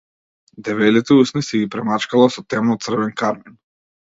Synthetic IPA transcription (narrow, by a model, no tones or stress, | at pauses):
d̪ɛvɛlit̪ɛusnisɛɡipɾɛmat͡ʃkalˠasɔt̪ɛmnɔt̪sr̩vɛnkaɾmin